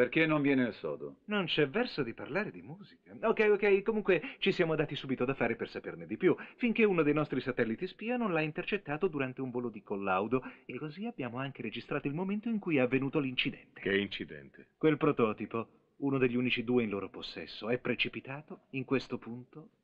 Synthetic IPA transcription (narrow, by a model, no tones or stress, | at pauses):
perkenːoɱvjɛːneelsɔ̰ːd̪o̰nont͡ʃɛvːɛrsod̪iparlaːɾed̪imuːzikaokːɛjokːɛjkomuŋkwet͡ʃisjaːmoad̪aːt̪isuːbit̪oad̪afaːɾepersaperned̪ipjufiŋkeunod̪ejnɔst̪ɾisat̪ɛlːit̪ispiːanonlaint̪ert͡ʃet̪ːaːt̪od̪uɾant̪euɱvoːlod̪ikolːawd̪oekːoziabjaːmoaŋk̟eɾed͡ʒist̪ɾaːt̪oilmoment̪oiŋkujɛavːenuːt̪olint͡ʃid̪ɛnt̪e̥kɛint͡ʃid̪ɛ̰nt̪ʰekwelpɾot̪ɔːt̪ipo | unod̪eʎːuːnit͡ʃid̪uːeinloːɾoposːɛ̰sːoɛpːɾet͡ʃipit̪aːt̪oiŋkwest̪opunt̪o